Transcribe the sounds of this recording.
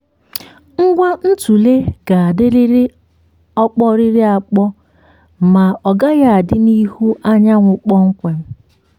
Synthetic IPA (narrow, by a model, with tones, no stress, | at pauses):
ŋ̩˦ɡʷa˦n̩˦tu˨le˦ɡ̥a˨a˨dɪ˦ɾɪ˦ɾɪ˦ | ɔ˦k͡pɔ˦ɾɪ˦ɾɪ˦a˨k͡pɔ˦ | ma˨ɔ˨ɡa˦ɣa˦a˨dɪ˦ni˦hu˦ʔa˦ɲa˦ŋʷʊ˨k͡pɔ˦ŋ̩˦kʷe˨m̩˦